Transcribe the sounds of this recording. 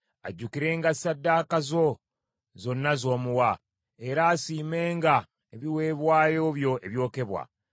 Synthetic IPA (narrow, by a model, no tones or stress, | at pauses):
a̰ɟːukiɾe̞ːŋɡasadːaːkazo̞ | zo̞nːazo̞ːmuwa | e̞ɾaːsiːme̞ːŋɡa | eβiwe̞ːβwaːjo̞ːβjo̞ʔeβjo̞ːke̞βwa̰